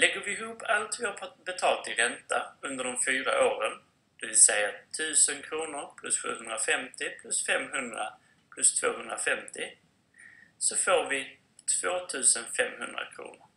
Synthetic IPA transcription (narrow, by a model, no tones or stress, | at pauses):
lɛɡːəɾvɪɦuːpːalt̪vɔp̪ʰbɛt̪ʰɑːlt̪ʰɪɾɛnt̪aɵnd̪əɖɔmfyːɾa̰ʔoːɾən | d̪̥ɵvɪlsɛjːat̪ʰʉ̟ːsənkʰɾuːnʊɾpʰlɵsɧʉ̰ːɦɵnd̪ɾafɛmt̪ɪpʰlɵsfɛmɦɵnd̪ɾa̰ | pʰlɵst̪ʰvo̰ːɦɵnd̪ɾafɛmt̪ɪ | sɔfoːɾvɪ | t̪ʰv̥oːt̪ʰʉ̟ːsənfɛ̰mhɵ̰nd̪ɾa̰kʰɾṵːnʊɾ